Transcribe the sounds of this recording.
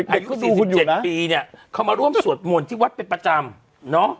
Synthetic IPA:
ʔa˧˨˩ju˦˥˩duː˧kku˧˩njuː˨t͡ɕe˨˩n̚a˦˥piː˧ni˦˥˩ɐkʰa˦˥wmaː˧ɾu˥˩əmsu˨˩ət̪̚mu˨˩ənt̪ʰiː˥˩wa˦˥t̪̚pe˧npɾa˧t͡ɕa˧m | nɔ˦˥

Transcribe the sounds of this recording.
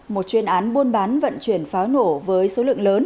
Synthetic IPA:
mo˨˩t̚t͡ɕwi˧ənʔaː˨˦nɓu˧ənɓaː˨˦nvə̰˧˨nt͡ɕwi˧˩ənfaː˨˦wno˧˩vəː˨˦jso˨˦lɨ̰˧˨ə˨ŋləː˨˦n

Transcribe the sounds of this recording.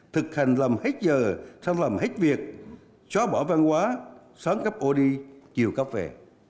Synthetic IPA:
t̪ʰɨ˨˩k̚ha˨˩jŋ̟lə˨˩mhe˦˥t̚zəː˨˩sa˧nlə˨˩mhe˦˥t̚vi˨˩ək̚ | t͡ɕɔ˨˦ɓɔ˧˩va˧nkwaː˨˦ | saː˨˦mka˦˥p̚ʔo˧ɗi˧t͡ɕi˨˩əwkaː˦˥p̚vɛ̰˨˩

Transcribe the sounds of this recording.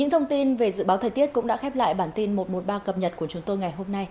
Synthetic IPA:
ɲɨ̰˧˥ŋt̪ʰə˧wŋ͡mt̪i˧nve˨˩zɨ̰˧˨ɓaː˨˦wt̪ʰəː˨˩jt̪i˦˥ət̚kʊ̰˧˥ŋ͡mɗa̰ː˧˥xɛ˦˥p̚la̰ː˧˨jɓaː˧˩nt̪i˧nmo˨˩t̚mo˨˩t̚ɓaː˧kə˨˩p̚ɲə˨˩t̚ku˧˩ət͡ɕʊ˨˦ŋ͡mt̪o˧jŋa˨˩jɦo˧mna˧j

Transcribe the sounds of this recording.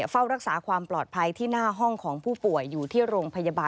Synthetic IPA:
fa˥˩wɾa˦˥k̚saː˩˦kʰwaː˧mplɔː˨˩t̪̚pʰa˧jt̪ʰiː˥˩naː˥˩ɦɔ˥˩ŋkʰɔː˩˦ŋpʰuː˥˩pu˨˩əjːuː˨˩t̪ʰiː˥˩ɾoː˧ŋpʰa˧ja˧baː˧

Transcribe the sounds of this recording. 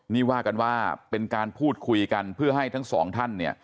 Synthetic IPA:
niː˥˩waː˥˩ka˧nwaː˥˩pe˧nkaː˧npʰuː˥˩t̪̚kʰu˧jka˧npʰɯ˥˩ɐɦa˥˩jt̪ʰa˦˥ŋsɔ̰ː˩˦ŋt̪ʰa˥˩nːi˥˩ɐ

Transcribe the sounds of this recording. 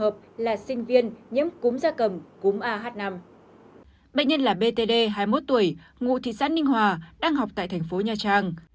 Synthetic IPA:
əː˨˩p̚laː˨˩sï˧ŋ̟vi˧ənɲḭ˧˥əmkʊ˨˦mzaː˧kə˨˩mkʊ˨˦mʔaː˧ɦaː˦˥t̚na˧m | ɓə̰˧˨jɲə˧nlaː˨˩ɓe˧t̪e˧ɗe˧ɦaː˧jmo˦˥t̚t̪u˧˩əj | ŋṵ˧˨t̪ʰḭ˧˨sa̰ː˦˥nːï˧ŋɦwaː˨˩ɗaː˧ŋɦa˨˩wk͡p̚t̪a̰ː˧˨jt̪ʰɛ˨˩ŋ̟fo˨˦ɲaː˨˩t͡ɕaː˧˩ŋ

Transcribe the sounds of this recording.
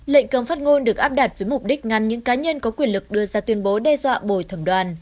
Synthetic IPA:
lḛ˧˨ŋ̟kə˨˧˩mfaː˦˥t̚ŋo˧nɗɨ˨˩ək̚ʔaː˦˥p̚ɗa˨˩t̚vəː˨˦jmʊ˨˩k͡p̚ɗï˦˥k̟̚ŋa˨˩nɲɨ̰˧˥ŋkaː˨˦ɲə˧nkɔ˨˦kwi˧˩ənlɨ˨˩k̚ɗɨ˧əzaː˧t̪wi˧ənɓo˨˦ɗɛ˧zwa̰ː˧˨ɓo˧˩jt̪ʰə˧˩mɗwaː˨˩n

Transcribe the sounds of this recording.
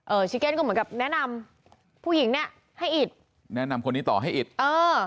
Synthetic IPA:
ʔɤː˧˩t͡ɕʰi˦˥ke˥˩nkːmɯ˩˦ŋka˨˩p̚nɛ˦˥na˧m | pʰuː˥˩ji˩˦ŋni˥˩ɐə | ha˥˩jʔi˨˩t̪̚ | nɛ˦˥na˧mkʰo˧nːiː˦˥t̪ɔː˨˩ɦa˥˩jʔi˨˩t̪̚ʔɤː˧

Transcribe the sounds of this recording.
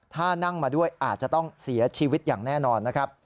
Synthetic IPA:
t̪ʰaː˥˩na˥˩ŋmaː˧du˥˩əjʔaː˨˩t̪̚t͡ɕa˨˩t̪ɔ˥˩ŋsi˩˦ɐt͡ɕʰiː˧wi˦˥t̪̚jaː˨˩ŋnɛː˥˩nɔː˧nːa˦˥kʰɾa˦˥p̚

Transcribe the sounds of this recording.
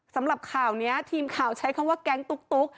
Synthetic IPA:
sa˩˦mɾa˨˩p̚kʰaː˨˩wni˦˥ɐt̪ʰiː˧mkʰaː˨˩wt͡ɕʰa˦˥jkʰɔ˧˥waː˥˩kɛ˦˥ŋt̪u˦˥k̚t̪u˦˥k̚

